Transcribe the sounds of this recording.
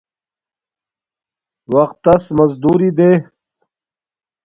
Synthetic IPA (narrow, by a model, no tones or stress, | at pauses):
wɐqt̪ːɐsmɐzd̪uːɾid̪eː